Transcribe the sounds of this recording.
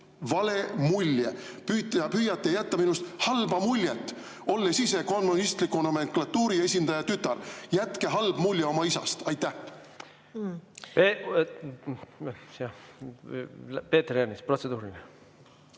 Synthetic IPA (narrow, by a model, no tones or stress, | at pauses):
vɑle̞mulʲːje | pyt̪ːɑpyːjɑt̪ːˑejæt̪ːɑminust̪hɑlbɑmulʲːjet̪ːˑ | o̞lːesise̞ko̞nmunist̪likːˑonome̞ŋklɑt̪ːuːɾie̞sʲind̪̥ɑjɑt̪yt̪ːˑɑrjæt̪ke̞ɦɑlb̥mulʲjeo̞mɑisɑ̰st̪ɑjt̪ːˑæh | pe | sɑ | peːt̪ːrjæɾnispro̞t̪sed̪̥uːɾine